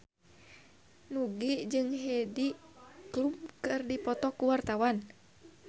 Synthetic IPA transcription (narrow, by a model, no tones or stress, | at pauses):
nuɡid͡ʒɨŋɦɛdiklumkɨrdipɔt̪ɔkuwart̪awan